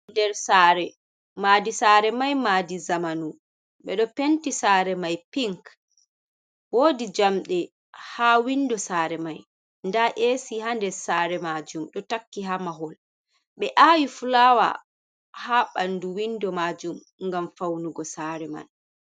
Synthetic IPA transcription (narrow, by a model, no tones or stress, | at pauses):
ndɛɾsaːɾɛ | maːdisaːɾɛmajmadizamanu | ɓɛɗɔpentisaːɾɛmajpiŋk | woːdid͡ʒamɗɛ | hawindɔsaːɾɛmaj | ndaʔeːsihandɛɾsaːɾɛmad͡ʒumɗɔtakːiɦamaɦɔl | ɓɛʔawifulawa̰ | haɓanduwindɔmaːd͡ʒum | ŋɡamfawnuɡɔsaːɾɛma̰n